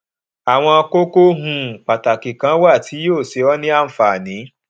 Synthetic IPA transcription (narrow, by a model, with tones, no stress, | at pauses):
a˨w̃ɔ̃˧a˧ko˦ko˦ɦũ˧˨k͡pa˨ta˨kĩ˨kã˨˦wa˦˨ti˨˦joː˦˨se˨˦ɔ˦nĩ˦a˦˨n̩˦fa˨nĩ˨˦